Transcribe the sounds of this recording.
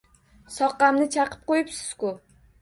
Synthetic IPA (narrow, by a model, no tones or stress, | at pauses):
sɒqːɑmnɪt͡ʃʰɑqʰɨ̥p̚qojɪpsɪ̥z̥kʊ